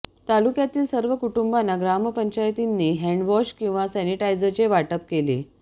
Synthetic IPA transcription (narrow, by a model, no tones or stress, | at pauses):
t̪alukjat̪iːlsəɾʋəkuʈumbanːaɡɾaməpəɲt͡ɕajt̪inːiːɦɛɳɖʋɔɕkĩw̃ʋasɛniʈajd͡zət͡ɕeʋaʈəp̚kelḛ